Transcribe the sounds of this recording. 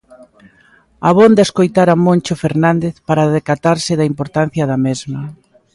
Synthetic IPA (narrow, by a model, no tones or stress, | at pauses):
aβond̪aeskojt̪aɾamõnt͡ʃofeɾnãnd̪eθpaɾaðekat̪aɾsɪðaimpoɾt̪anθjɐðɐmezmɐ